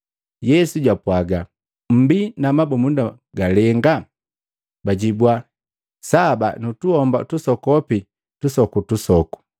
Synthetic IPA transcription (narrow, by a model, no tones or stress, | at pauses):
jɛsuɟapwaɡa | m̩binamabɔmunda | ɡalɛŋɡa | baɟibwa | saba̰nutuhɔmbatusɔkɔpi | tusɔkutusɔku̥